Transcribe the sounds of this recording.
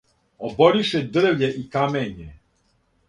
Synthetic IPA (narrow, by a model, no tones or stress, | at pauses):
ɔbɔɾiʃɛd̪r̩wʎɛʔikamɛɲɛ